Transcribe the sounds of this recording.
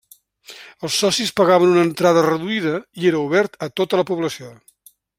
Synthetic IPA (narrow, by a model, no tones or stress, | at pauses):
əlˠsːɔsispəɣaβənunəːnt̪ɾaðərəðuiðəieɾəuβɛɾt̪ət̪ot̪ələpuβləsio